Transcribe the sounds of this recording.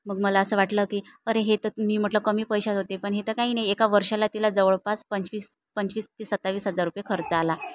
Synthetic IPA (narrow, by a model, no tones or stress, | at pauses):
məɡ̚məlaəsəːʋaʈləːkiːəɾeɦet̪əmiːm̤əʈləkəmiːpəjɕat̪ɦot̪epəɳɦet̪əkaɦiːnajekaʋəɾʂalat̪ilad͡zəʋəɭpaspənt͡ɕʋiːs | pəɲt͡ɕʋiːst̪isət̪ːaʋiːsɦəd͡zaɾːupjekʰəɾt͡səala